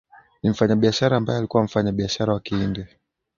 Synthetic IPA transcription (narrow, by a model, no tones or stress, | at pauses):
nim̩faɲaɓiaʃaɾaːmbajɛalikuwam̩faɲaɓiaʃaɾawakiindɛ